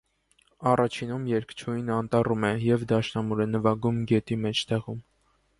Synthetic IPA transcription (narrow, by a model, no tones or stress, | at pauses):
ɑrʔɑt͡ʃʰinumjɛɾkt͡ʃʰujnɑnt̪ɑrumɛjɛvd̪ɑʃnɑmuɾɛnəvɑɡumɡɛt̪imɛt͡ʃʰt̪ɛʁum